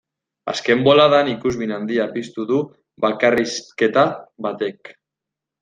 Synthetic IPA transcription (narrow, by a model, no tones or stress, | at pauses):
a̰ske̞mbolaðanikuzβinand̪iapist̪uðu | βakariske̞t̪aβat̪ek